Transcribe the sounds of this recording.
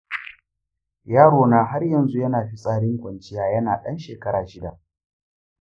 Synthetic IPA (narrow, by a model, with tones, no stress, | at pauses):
jaː˦ɽoː˨naː˦ɦa˦rjɐ˨nzu˦jɐ˦naː˨ɸi˦sʼaː˦ɽɪ˦ŋkʷɐ˨nt͡ʃɪ˦jaː˦jɐ˦naː˨ɗɐ˦nʃeː˨kɐ˦ɽaː˨ʃɪ˦da˨ʔ